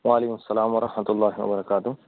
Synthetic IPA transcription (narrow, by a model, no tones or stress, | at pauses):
ʋaːleːkʊmʊsːɐlaːmwɐɾˤʔɐhmɐt̪ʊlːaːɦiwɐ̰bɐɾɐkaːt̪ʊ